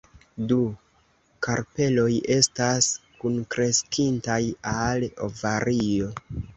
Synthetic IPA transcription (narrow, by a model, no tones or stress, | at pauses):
du | kaɾpe̞lo̞je̞staskunkɾe̞skintajalo̞̰vaɾio̞